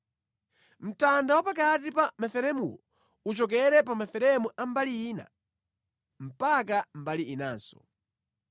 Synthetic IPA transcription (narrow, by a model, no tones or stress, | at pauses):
m̩tandawapakatipamafɛɾɛmṵwɔ | ut͡ʃɔk̬ɛɾɛpamafɛɾɛmuʔambaliːna̰ | m̩pakambaliːnaːnsɔ̥̰